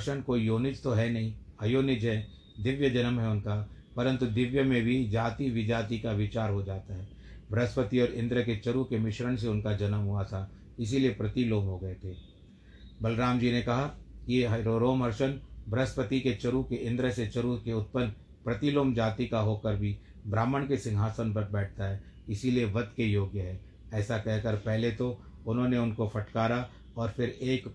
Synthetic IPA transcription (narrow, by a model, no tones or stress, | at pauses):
ʃənkoːijoːnɪt͡ʃt̪oɦɛnɐɦĩɐjoːnɪd͡ʒɦɛ | d̪ɪʋjəd͡ʒɐnəmɦɛʊnka | pɐɾə̃nt̪ud̪ɪʋjəmẽbʱid͡ʒaːt̪iʋɪd͡ʒaːt̪ikaʋɪt͡ʃaːɾɦod͡ʒaːt̪aɦɛː | bɾɐspət̪iɔːɾɪ̃nd̪ɾəket͡ʃɐɾukemɪʃɾəñseʊnkad͡ʒɐnəmɦoat̪ʰa | ɪs̬iliepɾɐt̪iloːmɦoɡɐet̪ʰeː | bɐlɾaːmd͡ʒiːnekɐɦakieɦɾoɾoːmɦɐɾʃənbɾəspət̪iket͡ʃɐɾukeɪ̃nd̪ɾəset͡ʃɐɾukeʊt̪̚pən | pɾɐt̪iloːmd͡ʒaːt̪ikaɦoːkəɾbʱi | bɾaːməɽ̃kesɪ̃ŋɡʱaːsənpɐɾbɛːʈ̚ʰt̪aɦɛː | ɪsilieʋɐd̪kejoːɡjəɦɛ̃ː | ɛːsakɛɦkəɾpɛɦlet̪o | ʊnɦõneʊnkofɐʈkaːɾa | ɔːɾfɪɾeːk